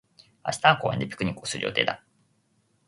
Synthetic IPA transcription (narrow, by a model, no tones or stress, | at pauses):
a̰ɕi̥t̪ãŋkoːaḛnd̪epʲi̥kɯ̟ɲ̟ikːoːsɨɾɯ̟jo̰t̪e̞ːd̪a